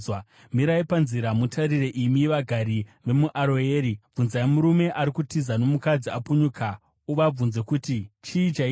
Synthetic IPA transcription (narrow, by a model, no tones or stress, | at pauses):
miɾaipanziɾamutʰaɾire̞ʔimiʋaɡʱaɾiʋe̞muʔaɾoeːɾib͡vunzaemuɾume̞ʔaɾikutizano̞mukad͡ziapuɲukʰa | uʋab͡vunze̞kutit͡ʃiit͡ʃai